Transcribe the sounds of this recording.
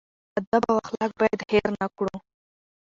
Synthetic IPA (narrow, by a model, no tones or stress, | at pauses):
ad̪abawaxlɑk̚bajad̪heɾnakɽu